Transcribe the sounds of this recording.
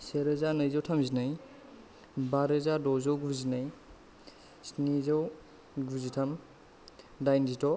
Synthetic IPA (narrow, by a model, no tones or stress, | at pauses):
seɾɐzanɯjzawtʰamzinaj | baɾɯzadɔzowɡuɾzinaj | snizaw | ɡuzitʰam | dajnzitɔ